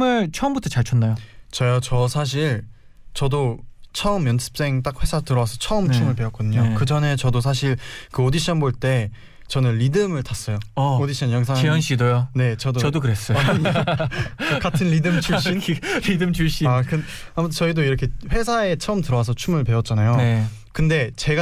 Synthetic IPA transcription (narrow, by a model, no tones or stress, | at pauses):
mɯɭt͡ɕʰʌɯmbutʰʌt͡ɕaɭt͡ɕʰʌnːajot͡ɕʌjat͡ɕʌsʰaɕ̬ʰiɭ | t͡ɕʌdot͡ɕʰʌɯmːjʌnsʰɯ̥p̚s͈e̞ŋt͈ak̚ɸwe̞sʰatɯɾʌwasʰʌt͡ɕʰʌɯmt͡ɕʰumɯɭpe̞ʌt̚k͈odɯɲokɯd͡ʑʌne̞t͡ɕʌdos̬ʰaɕʰiɭkɯodiɕʰʌnboɭt͈e̞ | t͡ɕʌnɯnːidɯmɯɭtas͈ʌjoʌodiɕʰʌnjʌŋsʰaŋijʌnɕʰidojone̞t͡ɕʌdoʌdokɯɾes͈ʌ | kaɯnʎidɯmt͡ɕʰuɕinidɯmt͡ɕʰuɕ͈iakɯ | amʌtʰɯt͡ɕʌidoiɾʌkʰe̞ɸwe̞s̬ʰae̞t͡ɕʰʌɯmtɯɾʌwas̬ʰʌt͡ɕʰumɯɭpe̞ʌt̚t͡ɕ͈anajone | kɯnde̞t͡ɕe̞ɡa